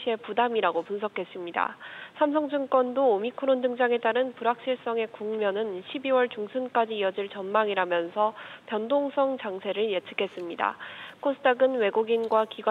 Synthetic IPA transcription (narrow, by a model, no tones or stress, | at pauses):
ie̞pudamiɾaɡopunsʰʌkʰe̞s͈ɯmɲida̰sʰamsʰʌŋd͡ʑuŋk͈wʌndoːmikʰoɾondɯŋd͡ʑaŋe̞t͈aɾɯnpuɾak̚ɕ͈iɭs͈ʌŋe̞kuŋmjʌnɯnɕʰibiwʌɭt͡ɕuŋsʰunk͈ad͡ʑiːʌd͡ʑiɭt͡ɕʌnmaŋiɾamjʌnsʰʌpjʌndoŋsʰʌŋt͡ɕaŋsʰe̞ɾɯɭjet͡ɕʰɯkʰe̞s͈ɯmɲida̰kʰosʰɯ̥tʰaɡɯnwe̞ɡuɡinɡwakiɡw